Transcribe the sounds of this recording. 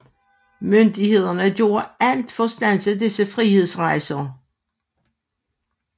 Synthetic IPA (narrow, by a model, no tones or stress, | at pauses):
mønd̥ihe̝ð̞̰ˠɐnəɡ̥jo̝ːɐæl̰d̥fɒ̽sd̥æn̰səd̥esəfʁihe̝ð̞̰ˠsʁɑ̈ɪsɐ